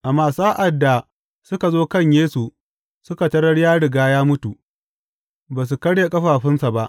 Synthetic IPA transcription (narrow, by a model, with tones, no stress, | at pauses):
ʔa˨mːaː˨saː˦ʔa˨dːa˨ | sʊ˦ka˨zoː˦kɐ˦˨ɲjeː˦su˨ | sʊ˦ka˨tɐ˦ɽɐ˦ɽjaː˦ɽɪ˨ɡaː˦jaː˦mʊ˦tu˨ | baː˨s̬u˨kɐ˦ɽja˨kʼɐ˦ɸaː˨ɸɪ˦nsa˨ba˦ʔ